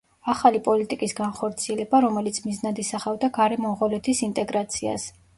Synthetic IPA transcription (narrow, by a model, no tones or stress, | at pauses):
aχalipʼɔlit̪ʼikʼisɡanχɔɾt̪sʰiɛlɛbaɾɔmɛlit̪sʰmiznad̪isaχavd̪aɡaɾɛmɔmʁɔlɛt̪ʰisint̪ʼɛɡɾat̪sʰia̰s